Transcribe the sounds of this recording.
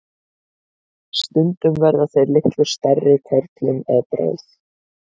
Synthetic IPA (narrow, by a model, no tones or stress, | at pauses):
st̪ʏnt̪ʏmvɛɾðaθejɾlɪht̪lʏɾ̥st̪arːɪt̪ʰɛɾt̪lʏmɛðp̪ɾa̰wθ